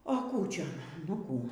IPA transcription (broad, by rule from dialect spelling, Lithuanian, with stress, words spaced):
oː ˈkuː ˈt͡ʃʲɛ nʊ ˈkuː